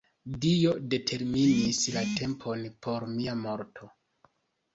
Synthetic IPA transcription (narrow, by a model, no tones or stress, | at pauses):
dio̞de̞tʰe̞ɾminislate̞mpʰo̞npʰo̞ɾmiamo̞ɾtʰo̞